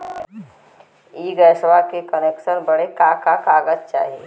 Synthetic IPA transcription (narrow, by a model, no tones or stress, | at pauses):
iːɡəsʋakekəneksənbəɽekakakaɡəd͡ʑt͡ʃa̰ɦie